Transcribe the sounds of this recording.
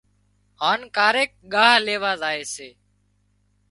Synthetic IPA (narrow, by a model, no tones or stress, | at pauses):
ɦaːnkaːɾeːk̚ɠaːɦleːʋaːzaːeːseː